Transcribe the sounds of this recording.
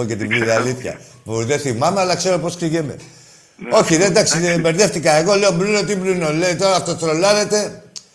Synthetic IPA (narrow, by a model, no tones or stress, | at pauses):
ocet̪ibliðialiθçɐ̰ | pðeθimɐme̞ɐlɐkse̞ɾopo̞skiʝemḛ | o̞çiðend̪ɐksibeɾðe̞ft̪ikɐeɣo̞le̞o̞mblino̞t̪̬iblinole̞it̪o̞ɾɐːft̪ot̪ɾo̞lɐɾe̞t̪e̞